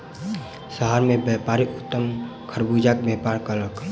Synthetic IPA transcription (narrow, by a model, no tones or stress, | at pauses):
səɦaɾmẽbjɛpaɾiʔʊt̪ːəm | kʰəɾbud͡ʒakbɛpaɾkəɾək